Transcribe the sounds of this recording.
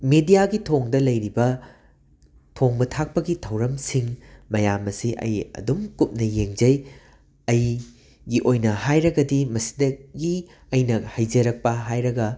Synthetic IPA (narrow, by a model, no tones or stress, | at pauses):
medijaɡitʰoŋdɐlɐjɾibɐ | tʰoŋbɐtʰak̚pɐɡitʰɐwɾɐmsiŋmɐjamɐsiʔɐ̰jɐ̰dumkup̚nɐjeŋd͡ʒɐj | ɐj | ɡiʔojnɐhajɾɐɡɐdimɐsi̥dɐɡi | ɐjnɐhɐjd͡ʒɐɾɐk̚pɐɦajɾɐɡɐ